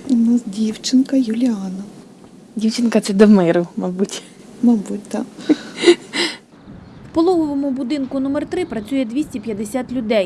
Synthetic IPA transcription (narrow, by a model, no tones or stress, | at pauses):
ʊnɑsdʲiwt͡ʃɪnkɐjʊlʲɪɑnɐ | dʲiwt͡ʃɪnkɐt͡sɛd̪ɔmɪɾʊmɐbutʲ | mɐbut̚ʲd̪ɑ | wpɔlˠɔʋɔʋɔmʊbʊd̪ɪnkʊnumɛrt̪ɾɪpɾɐt͡sʲujɛd̪ʲʋʲisʲtʲipʲjɐd̪esʲat̪lʲʊd̪ɛj